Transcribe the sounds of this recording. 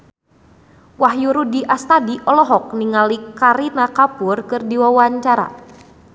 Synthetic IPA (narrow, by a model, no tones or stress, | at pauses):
waɦjuɾudiʔast̪adiʔɔlɔɦɔk̚niŋalikaɾinakapurkɨrdiwawaɲt͡ʃaɾa̰